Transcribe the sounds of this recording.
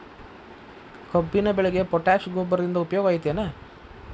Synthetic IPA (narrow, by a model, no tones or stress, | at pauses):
kʰɐbːinɐbɛɭeɡepɔʈaːʃɡoːbɐɾɐd̪ind̪ɐupɐjɔːɡʋaːjit̪ːeːnɐ